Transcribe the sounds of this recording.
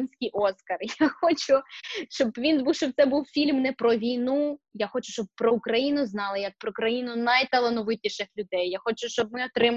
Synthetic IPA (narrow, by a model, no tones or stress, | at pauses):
inʲsʲkʲijʔɔskɐrjaxɔt͡ʃʊʃt͡ʃɔbʋʲinbuwʃt͡ʃɔb̚t̪sɛbuwfʲilʲmnɛpɾɔʋʲijnujaxɔt͡ʃʊ̥ʃt͡ʃɔb̚pɾɔʊkɾɐjinʊznɑlˠɪjɐk̚pɾɔkɾɐjinʊnɐjt̪ɐlˠɐnɔʋɪt̪ʲiʃɪxlʲʊd̪ɛjːaxɔt͡ʃʊʃt͡ʃɔb̚mɪɔt̪ɾɪm